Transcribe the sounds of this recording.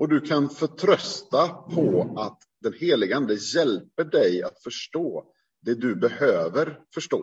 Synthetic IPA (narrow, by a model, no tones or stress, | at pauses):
ɔd̪ɵkʰanfœʈʰɾœst̪apʰɔat̪ | d̪ɛnheːlɪɡand̪əjɛlpəɖɛja̰t̪fœʂʈoː | d̪ɛd̪ɵbɛhøːvəɾfœʂʈoː